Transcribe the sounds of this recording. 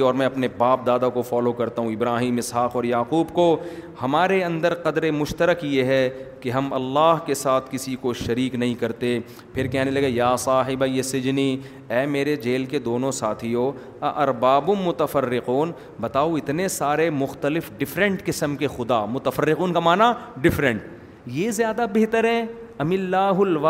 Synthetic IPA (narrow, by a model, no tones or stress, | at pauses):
ɔːɾmɛ̃ɐpnebaːp̚d̪aːd̪akofaːlokɐɾt̪aɦũɪbɾaːɦiːmɪsɦaːqɔːɾjaːquːbko | hɐmaːɾeɐ̃nd̪əɾqɐd̪ɾemʊʃt̪əɾəkjeɦɛkeɦɐmɐlːaːɦkesaːt̪ʰkɪsikoʃɐɾiːknɐɦĩkɐɾt̪e | pʰɪɾkɛɦnelɐɡejaːsaːɦɪbajesɪd͡ʒni | ɛːmeːɾed͡ʒeːlked̪oːnõsaːt̪ʰijo | ɐʔɐɾbaːbʊmːʊt̪əfɐɾːɪquːn | bɐt̪aːoɪt̪nesaːɾemʊxt̪əlɪfɖɪfɾə̃ɳʈkɪsəmkexʊd̪a̰mʊt̪əfɐɾːɪquːnkamaːnaɖɪfɾə̃ɳʈ̚ | jezjaːd̪abeɦt̪əɾɦɛ | ɐmɪlːaːɦʊlʋa